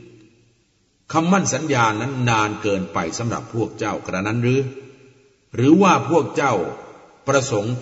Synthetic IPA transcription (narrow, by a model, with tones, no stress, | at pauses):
kʰa˧mːa˥˩nsa˩˦njaː˧nːa˦˥nːaː˧nkɤː˧npa˧jsa˩˦mɾa̰˨˩pʰːu˥˩ək̚t͡ɕa˥˩wkɾa˧na˦˥nɾɯː˦˥ | ɾɯː˩˦waː˥˩pʰu˥˩ək̚t͡ɕa˥˩w | pɾa˧so˩˦ŋ